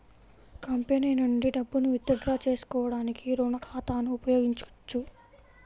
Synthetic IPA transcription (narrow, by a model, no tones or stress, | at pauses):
kɐmpenejnɐɳɖiɖɐbːunuʋit̪ːɐɖɾaːt͡ʃe̞ːsu̥kɔːʋɐɽaːnikiɾoːnɐkʰaːt̪aːnuupɐjo̞ːɡiɲt͡ʃut͡ʃːu